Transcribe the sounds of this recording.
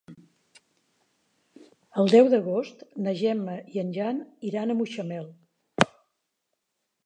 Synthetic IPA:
əlˠd̪ɛwðəɣost̪nəʒɛməiənʲʒaniɾanəmuʃəmɛlˠ

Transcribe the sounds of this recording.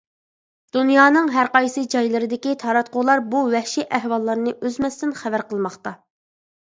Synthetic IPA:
d̪̥unjɑːnɨŋɦæɾqɑjsɨd͡ʒɑjlˠɨɾɨd̪ɪkʲit̪ʰɑɾɑt̪̚qʊʁlˠɑɾbuwɛhʃiʔæhwɑlˠːɑɾnɨʔøzmɛst̪ɪnχævæɾqʰəlˠmɑχt̪ɑ

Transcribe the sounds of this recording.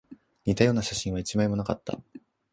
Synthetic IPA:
ɲ̟it̪ajo̞ːnaɕaɕĩɰ̃βait͡ɕimaimo̞nakat̪ːa̰

